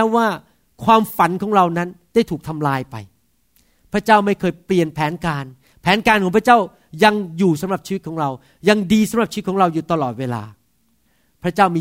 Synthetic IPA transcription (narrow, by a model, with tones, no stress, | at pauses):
waː˥˩ | kʰwaː˧mfa˩˦nkʰɔː˩˦ŋɾa˧wna˦˥nda˥˩jt̪ʰuː˨˩k̚t̪ʰa˧mlaː˧jpa̰˧j | pʰɾa˦˥t͡ɕaː˥˩wma˥˩jkʰɤː˧jpli˨˩ənpʰɛː˩˦nkaː˧n | pʰɛː˩˦nkaː˧nkʰɔː˩˦˥pʰa˥t͡ɕaː˥˩w | ja˧ŋjuː˨˩sa˨˦mɾa˨˩p̚t͡ɕʰiː˧˦˥t̪̚kʰɔː˩˦ŋɾa˧w | ja˧ŋdiː˧sa˨˦mɾa˨˩p̚t͡ɕʰiː˧˦˥kʰːɾa˧wjuː˨˩t̪a˧lɔː˨˩t̪̚weː˧la̰ː˧ | pʰɾa˥t͡ɕaː˥˩wmiː˧